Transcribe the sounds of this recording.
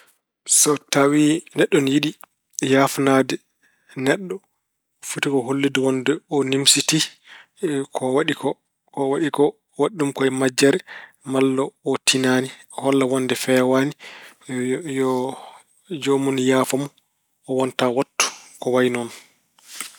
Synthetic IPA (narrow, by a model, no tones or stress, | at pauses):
sɔtawinɛɗːɔnjiɗi | jaːfnaːdɛ | nɛɗːɔ | futikɔɦolːidiwɔndɛɔnimsiti | kʰɔwaɗikɔ | kɔwaɗikɔ | waɗːumkɔɛmad͡ʒɛɾɛ | malːɔːtʰinaːniɔhɔlːawɔndɛfɛwani | jɔ | d͡ʒomunjaːfamu | ɔwɔntawatːu̥kɔwajnɔn